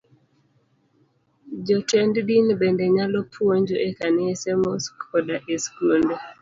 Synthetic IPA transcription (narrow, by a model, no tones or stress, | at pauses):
d͡ʒɔtʰɛnddinbendeɲalɔpʰwoɲd͡ʒoʔekanɪesɛmoskɔdaʔeskund